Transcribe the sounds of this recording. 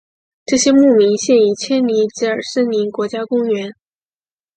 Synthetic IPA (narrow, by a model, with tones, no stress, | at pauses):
ʈ͡ʂɤ˥˩ɕjɛ˥mu˥˩mi˧˥ŋɕjɛ˥˩ni˥˩t͡ɕʰjɛ˥nli˧˥t͡ɕ̩˧˥ə˞˨˩ʂ̩˥˩ni˧˥nkwɔ˧˥t͡ɕja˥kʊ˥ŋɥɛ˧˥n